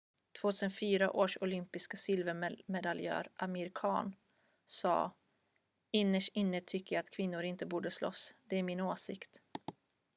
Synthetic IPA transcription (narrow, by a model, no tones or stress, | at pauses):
t̪ʰv̥oːt̪ʰʉːsənfyːɾa̰ʔoːʂʊlʏmpɪskasɪlvəɾmɛd̪aljœ̰ːɾʔamɛɾɪkʰɑ̰ːn | sɑ̰ː | ɪnːəʂɪnːət̪ʰʏkːəjaat̪kʰvɪnːʊɾɪnt̪əbuːɖəslɔ̰sd̪ɛæɾmɪnoːsɪkt̪